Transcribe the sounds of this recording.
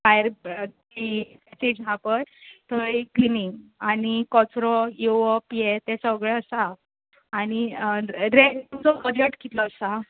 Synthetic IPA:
fajəɾdipɛsed͡ʑɦapəjt̪əikliniŋɡanikɔt͡sɾɔjoʋɔpiɛt̪ɛsəɡɭɛəsaː | ñi | ɾeʈt̪umt͡sɔpəd̪jəʈkit̪lɔːsa

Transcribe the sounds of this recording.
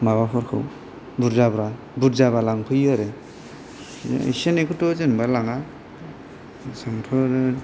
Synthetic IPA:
maβapʰɔɾkʰɯ̰w | buɾzabɾa | buɾzaβalaŋpʰɯjaɾe | ḛsenekʰutɔzenbalaŋa | saŋtʰɔɾ

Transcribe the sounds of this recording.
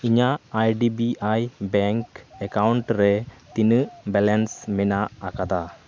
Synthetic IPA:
iɲaːjɖibiajbɛŋkɛkawɳʈɾet̪inɯbɛlɛnsmɛnaːkad̪a

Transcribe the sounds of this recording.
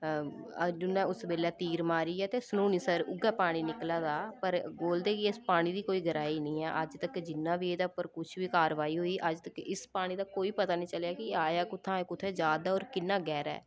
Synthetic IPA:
əd͡ʒʊnːɛ̃ːʊsbeːlɛːt̪iːɾmaːɾiːɛːt̪eːsluːniːsəɾʊɡɛːpaːɽ̃iːnɪklaːd̪aːpəɾboːld̪eːkiɪspaːɽ̃iːd̪iːkoːiːɡʱəɾaːiːnĩːɛ̰ːʔəd͡ʒt̪əkd͡ʒɪnːãːʋiːeːd̪apəɾkʊt͡ʃʰʋiːkaːɾʋaːiːɦoːiːʔəd͡ʒt̪əkɪspaːɽ̃iːd̪aːkoːiːpət̪aːnĩːt͡ʃəljaːkɪaːjaːkʊt̪ʰːãːkʊt̪ʰːɛːd͡ʒjaːd̪aːɔːɾkɪnːãːɡɛːɾɛ̰ː

